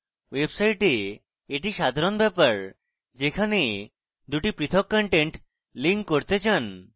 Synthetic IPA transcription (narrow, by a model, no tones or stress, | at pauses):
websajʈe | eʈiʃad̪ʱaɾonbɛpaɾ | d͡ʒekʰane | d̪uʈipɾit̪ʰɔkːɔɳʈeɳʈ | liŋkːoɾt̪et͡ɕʰan